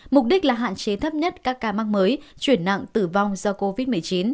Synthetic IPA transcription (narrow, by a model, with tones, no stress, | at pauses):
mʊ˨˩k͡p̚ɗi˦˥k̟̚laː˨˩ɦa̰ː˧˨nt͡ɕe˨˦t̪ʰə˦˥p̚ɲə˦˥t̚kaː˦˥kːaː˨˧maː˦˥ŋ̚məː˨˦jt͡ɕwi˧˩ənːa̰˧˨ŋt̪ɨ˨˩va˧wŋ͡mzɔ˧ko˧vi˦˥t̚mɨ˨˩əjt͡ɕi˨˦n